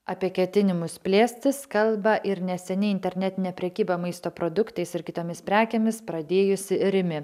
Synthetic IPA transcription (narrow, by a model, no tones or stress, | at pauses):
ɐpʲiɛkʲɛt̪ʲɪnʲɪmʊspʲlʲeːsʲt̪ʲɪskɐlˠbɐʔɪɾnʲɛsʲɛnʲɪɪnʲt̪ʲɛɾʲnʲɛt̪ʲɪnʲɛːpʲɾʲɛkʲiːbɐmɐɪst̪oːpɾoːd̪ʊkt̪ɐɪsɪɾkʲɪt̪oːmʲɪspʲɾʲæːkʲeːmʲɪspɾɐd̪ʲeːjʊsʲɪɾʲɪmʲɪ